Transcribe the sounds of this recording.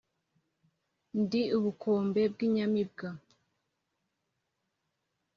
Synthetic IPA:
ndiuβukʰoːmbe̞b̚ɡiɲamib̚ɡa

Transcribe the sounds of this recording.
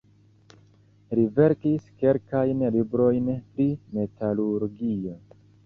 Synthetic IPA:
ɾive̞ɾkiske̞lkajnlibɾo̞jnpɾime̞taluɾɡio̞

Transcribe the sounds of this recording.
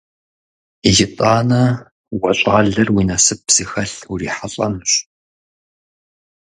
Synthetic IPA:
iʒɪtʼaːnɐ | wɐɕʼaːɮɐrwiːnɐsɨp̚z̥ixɐɬuriːħaɬʼɐ̰mɕ

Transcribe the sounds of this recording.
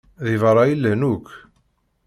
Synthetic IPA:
ðivɑɾˤɑjilːhnukː

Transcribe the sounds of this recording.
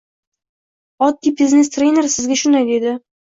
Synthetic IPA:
ɒd̪̚ːibiznest̪ɾʲejneɾsɪzɡʲaʃʊnd̪ajd̪e̞d̪ɪ

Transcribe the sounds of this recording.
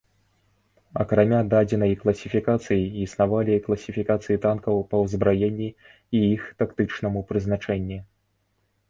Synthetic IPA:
ɐ̰kɾamʲad̪ad͡zʲɛn̪ɐjklˠɐsʲifʲikat̪sɨjiːsnavalʲiklˠɐsʲifʲikat̪sɨjit̪ankɐwpɐwzbɾajenʲːi | ijixt̪akt̪ɨt͡ʂnɐmupɾɨznat͡ʂɛnʲːi

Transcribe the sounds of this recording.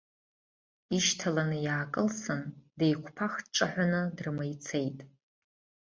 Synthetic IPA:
iʃtʰalanɨjaːkʼɨlsɨndejkʷʰpʰaχtʈ͡ʂʼaħʷanɨdrmajt͡sʰe̞jtʼ

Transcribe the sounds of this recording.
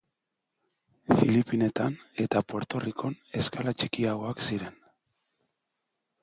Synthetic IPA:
filipine̞t̪ane̞t̪apo̞ɾt̪o̞rikʰo̞ne̞skalat͡ʃikiaɣo̞aksiɾe̞n

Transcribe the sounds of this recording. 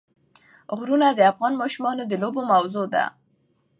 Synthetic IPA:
ɣɾunad̪əafɣɑnmɑʃumɑnod̪əlobomawzod̪a̰

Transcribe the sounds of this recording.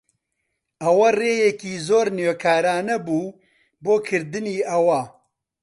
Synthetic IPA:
ɐwɐreːjɛkiːzoːɾnjoːkʰaːɾaːnɐbuː | boːkʰɨɾd̪ɨniːʔɐwɐ

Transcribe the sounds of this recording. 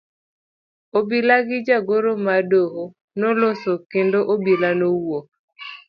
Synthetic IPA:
obilaɡɪd͡ʒaɡoɾomadoho | nɔlosokendoʔobilanowo

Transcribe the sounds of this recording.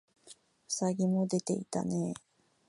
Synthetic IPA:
saɡʲimo̞d̪e̞t̪e̞it̪a̰ne

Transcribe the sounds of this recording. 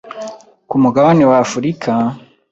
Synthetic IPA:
kumuɡaβanewafuɾikʰa

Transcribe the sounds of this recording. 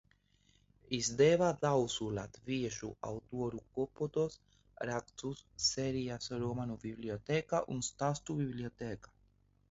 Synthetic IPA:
izd̪evad̪awsulat̪viɛʃṵa̰wt̪uɔɾukɔpɔt̪ɔs | ɾak̚t̪susːɛɾijasɾuɔmanubibliot̪ɛkaʔṵnst̪ast̪ubiblʲiɔt̪eːkḁ

